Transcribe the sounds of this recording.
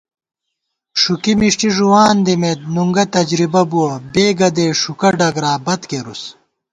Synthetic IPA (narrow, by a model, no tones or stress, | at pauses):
ʂukimiʂʈiʐuwaːnd̪imet̪̚nuŋɡɐt̪ɐd͡ʑɾibɐbuwɐbeːɡɐd̪eːʂukɐɖɐɡɾaːbɐt̪keɾus